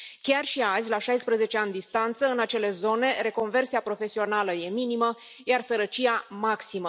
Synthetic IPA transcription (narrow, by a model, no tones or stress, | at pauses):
kʲarʃiazʲlaʃajspɾəze̞t͡ʃeanʲd̪ist̪ant̪səɨnat͡ʃe̞le̞zo̞ne̞ɾe̞ko̞nve̞rtsiapɾo̞fe̞sio̞naləje̞minimə | jarsəɾət͡ʃiamaksimə